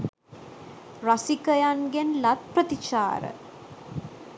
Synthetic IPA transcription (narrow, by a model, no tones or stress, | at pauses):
rasikəjanɡenlat̪̚prət̪it͡ʃa̰ːɾə̰